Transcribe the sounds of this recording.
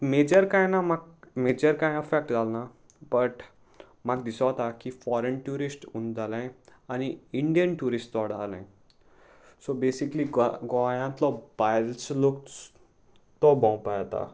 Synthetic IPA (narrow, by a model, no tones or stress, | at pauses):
med͡ʑəɾkãjnamaɡmed͡ʑəɾkãjəfɛk̚ʈd͡zʱalna | bəʈ | maɡd̪isɔt̪akifɔɾənʈuɾisʈund͡zalãjañiiɳɖijənʈuɾisʈɔɽalã̰j | sobesikliɡɡɔajãt̪lɔbajlt͡slokt͡s | t̪ɔbɔ̃wpajat̪a̰